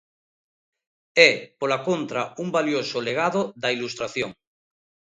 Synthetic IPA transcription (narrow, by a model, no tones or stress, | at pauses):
ɛpolakont̪ɾaumbaljosoleɣ̞aðoðɐilust̪ɾaθjoŋ